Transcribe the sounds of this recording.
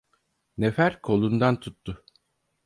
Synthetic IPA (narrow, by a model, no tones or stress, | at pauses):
nefæɾkʰo̞lˠund̪ant̪ʰut̪ːʊ